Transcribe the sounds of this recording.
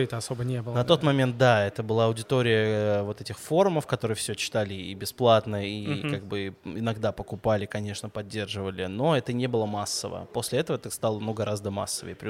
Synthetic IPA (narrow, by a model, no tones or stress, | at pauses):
t̪əɐsobənʲebɨlˠnɐt̪o̞t̪mɐmʲe̞nt̪̚d̪aɛt̪əbɨlˠaɐʊdʲɪt̪o̞ɾʲɪjəvo̞t̪ɛtʲɪxfo̞ɾʊməfkɐt̪o̞ɾɨjəfsʲɵt͡ɕɪ̥t̪alʲɪibʲɪsplˠat̪nəikaɡ̚bɨɪnɐɡd̪apəkʊpalʲɪkɐnʲe̞ʂnəpɐdʲːe̞rʐɨvəlʲɪno̞ɛt̪ənʲe̞bɨlˠəmasːəvə̰po̞sʲlʲɪɛt̪əvəɛt̪əst̪alˠənuɡɐɾazd̪əma̰sːəvə̰jpɾʲɪ